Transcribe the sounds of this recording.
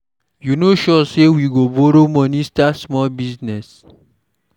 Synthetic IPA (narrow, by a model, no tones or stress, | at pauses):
junoʃɔsewiɡoboɾomɔ̃nistasmɔlbisnɛs